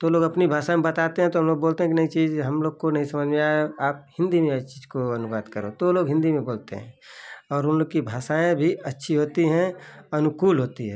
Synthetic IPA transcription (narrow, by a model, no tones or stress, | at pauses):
t̪oloːɡɐpnibʱaːsaemẽbɐt̪aːt̪eɦɛ̃t̪oɦɐmloːɡ̚boːlt̪eɦɛ̃kinɐĩt͡ʃiːzɦɐmloːɡkonɐɦĩsɐməd͡ʒmẽaaːp̚hɪ̃nd̪imẽt͡ʃiːzkoɐnʊʋaːd̪kəɾo̰t̪oloːɡɦɪ̃nd̪imẽboːlt̪ḛɦɛ̰̃ːɔːɾʊnloːɡkibʱaːʃaːẽbʱiɐtːʃʰiɦoːt̪iɦɛ̃ɐnʊkuːlɦoːt̪iɦɛː